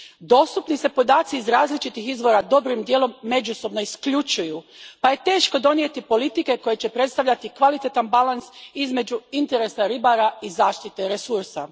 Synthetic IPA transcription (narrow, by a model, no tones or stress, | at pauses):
d̪o̞ːst̪upnise̞po̞d̪aːt̪siːzɾaːzlit͡ʃit̪ixizʋo̞ɾad̪o̞bɾimd̪jeːlo̞mːe̞d͡ʒuso̞bno̞iskʎut͡ʃujupaje̞t̪e̞ːʃko̞d̪o̞nje̞t̪ipo̞lit̪ike̞ko̞je̞t͡ɕe̞pɾe̞t̪st̪aʋʎat̪ikʋalit̪et̪anbalansizme̞d͡ʑuint̪e̞ɾesaɾibaɾaizaːʃt̪it̪e̞ɾesuɾsa̰